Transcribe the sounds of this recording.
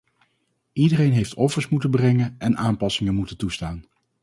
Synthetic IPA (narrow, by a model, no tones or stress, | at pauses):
idərejnɦejftɔfəɹsmutənbrɛŋənɛnaːmpɑsɪŋənmutəntustaːn